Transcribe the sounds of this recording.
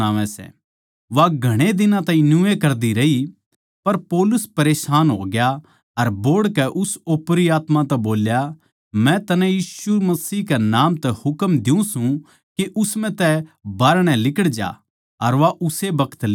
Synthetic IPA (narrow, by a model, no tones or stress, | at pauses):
aːʋɛ̃sɛ̰ | ʋaɡʱɐɽ̃ed̪ɪnãt̪ãːĩnʊekɐɾd̪iɾɐɦi | pɐɾpoːlʊspɐɾeːʃaːnɦo̰ːɡja | ɐɾboːɽkɛʔʊsoːpɾiaːt̪mãt̪ɛboːlja | mɛ̃t̪ɐnɛ̃jiːsumɐsiːɦkɛnaːmt̪ɛhʊkəmd̪ɪũsũ | keʔʊsmɛ̃t̪ɛbaːɾɽ̃ɛ̃lɪkəɽd͡ʒa̰ | ɐɾʋaʔʊsebɐkʰə̥t̪l